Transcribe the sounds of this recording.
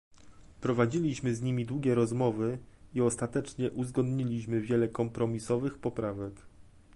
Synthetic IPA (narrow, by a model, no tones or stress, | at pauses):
pɾɔvad͡ʑilʲiɕmɘzɲimʲid̪wuɡʲɛɾɔzmɔvɘiɔst̪at̪ɛt͡ʂɲɛʔuzɡɔnd̪ɲilʲiɕmɘvʲjɛlɛkɔmpɾɔmʲisɔvɘxpɔpɾavɛk